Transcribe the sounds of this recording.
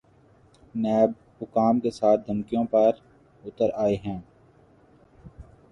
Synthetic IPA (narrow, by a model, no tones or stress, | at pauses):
nɛːb̚ | hʊkaːmkesaːt̪̚ʰd̪ʱəmkijõpɐɾ | ʊt̪əɾaːeɦɛ̃ː